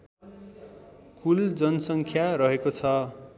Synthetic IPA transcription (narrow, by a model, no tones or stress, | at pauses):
kuld͡zʌnʌsʌŋkʰjaɾʌɦekot͡sʰʌ